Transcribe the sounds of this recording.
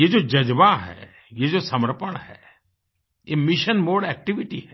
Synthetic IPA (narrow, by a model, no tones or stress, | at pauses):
jed͡ʒod͡ʒɐd͡ʒʋaɦɛ̰ː | jed͡ʒosɐməɾpəɽ̃hɛ̰ː | jemɪʃənmoːɖɛːk̚ʈiʋiʈiɦɛ